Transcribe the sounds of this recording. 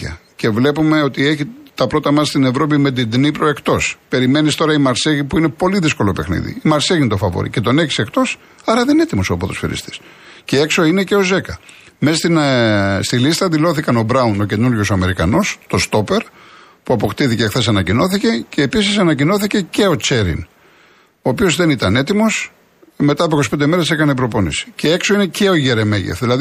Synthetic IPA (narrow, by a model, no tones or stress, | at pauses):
ɐ̰ce̞vle̞pume̞o̞t̪ie̞çit̪ɐpɾo̞t̪ɐmɐst̪ine̞vɾo̞pime̞t̪id̪nipɾoe̞kt̪o̞spe̞ɾime̞nist̪o̞ɾɐimɐɾseʝipuine̞po̞liðisko̞lope̞xnḭðḭimɐɾseɣʝinit̪o̞fɐvo̰ɾḭce̞t̪o̞ne̞çi̥se̞kt̪o̞s | ɐɾɐðenet̪imo̞soɐpot̪osfḭɾḭst̪e̥s | ceekso̞ine̞ce̞o̞ze̞kɐ | messt̪inst̪ilist̪ɐd̪ilo̞θikɐno̞bɾɐuno̞ce̞nuɾʝo̞soɐme̞ɾikɐno̞st̪o̞st̪o̞pe̞ɾ | puɐpo̞kt̪iθicexθe̞s̬ɐnɐcino̞θice̞ceːpisisɐnɐcino̞θice̞ce̞o̞t͡se̞ɾḭn | oːpio̞zðe̞nit̪ɐne̞t̪imo̞s | me̞t̪ɐpoikosi̥ped̪eme̞ɾese̞kɐnepɾo̞po̞nḭsi̥ceekso̞ine̞ce̞o̞ʝeɾe̞meʝḛfðilɐð